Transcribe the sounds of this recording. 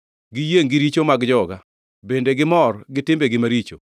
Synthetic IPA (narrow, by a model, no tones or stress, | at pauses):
ɡijeŋɡɪɾit͡ʃomaɡd͡ʒɔɡa | bendeɡɪmɔrɡɪtɪmbeɡɪmaɾit͡ʃo